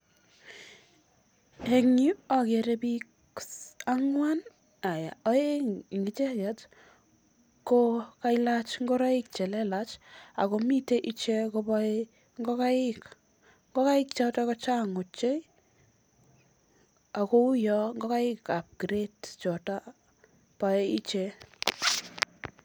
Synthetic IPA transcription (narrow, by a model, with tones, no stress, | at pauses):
e˨ŋi˦a˨ke˨ɾepik | aŋwan | a˨ja˨ɔ˦e˦˨ŋɡi˨t͡ʃe˦jɛt | ko˦ka˦ilat͡ʃŋɡo˦ɾa˦ɪ˦k̚t͡ʃɛ˨lɛ˦la˦t͡ʃa̰˨ko˨mi˦te˦ʔi˦t͡ʃe˦ko˦bɔ˦i | ŋɡɔ˦ka˦ɪ˦k | ŋɡo˦ka˦ɪ˦kt͡ʃɔ˧takɔ˦t͡ʃa˦ŋo˨t͡ʃe˦j | a˨ko˦u˦jɔ˦ŋɡɔ˦ka˦jɪ˦kːa˨p̚kɾe˦tt͡ʃɔ˨ta˦ | pa˨e˦i˦t͡ʃe